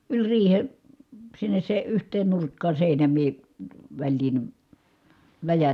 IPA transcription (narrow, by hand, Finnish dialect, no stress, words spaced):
ylʲ riːhe sinːes se yhtˑeːn nurkːɑː seˑinæmˑiː ʋælʲliːn læjæ